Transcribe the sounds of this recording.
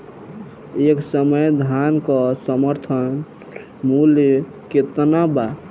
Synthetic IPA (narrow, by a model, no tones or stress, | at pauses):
eksəməjd̪ʱankɔsəməɾt̪ʰən | mul | ket̪naba